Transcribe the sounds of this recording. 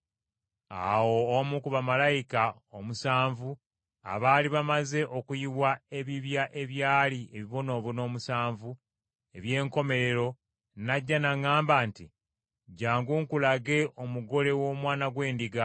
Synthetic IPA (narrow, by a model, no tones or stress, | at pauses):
a̰wo̞ːmukuβamalajika | omusaːɱvu | a̰βaːliβamaze̞ʔo̞kujiwwae̞βiβjaʔe̞βjaːlie̞βiβo̞no̞ːβuno̞ːmusaːɱvu | e̞βje̞ːŋko̞me̞ɾe̞ɾo̞ | naɟːanaŋaːmbaːnti | ɟaːŋɡuŋkulaɡe̞ʔo̞muɡo̞le̞wo̞ːmwaːnaɡwe̞ːndiɡa